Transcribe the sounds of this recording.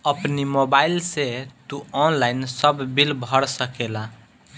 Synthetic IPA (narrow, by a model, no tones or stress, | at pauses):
əpnimobailset̪uɔnlajnsəbːilbʱəɾsəkela